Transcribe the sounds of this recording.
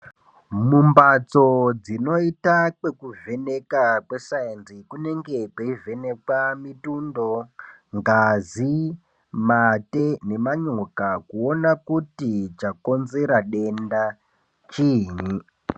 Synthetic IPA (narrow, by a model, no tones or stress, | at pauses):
mumbat͡so̞d͡zino̞itakwe̞kuve̞ne̞kakesaenzikune̞ŋɡe̞peive̞ne̞kamitundo̞ | ŋɡazi | mate̞ne̞maɲokakuo̞nakutit͡ʃako̞nze̞ɾaɗe̞nda | t͡ʃiːɲi